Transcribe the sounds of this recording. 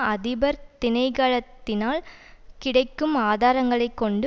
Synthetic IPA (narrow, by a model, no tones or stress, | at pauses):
ɐðɪbɐɾt̪ɪnɐɪkaːɭɐt̪ːɪnaːl | kɪɽɐɪkːɯmaːðaːɾɐŋɡɐɭɐɪkːɔɳɖɯ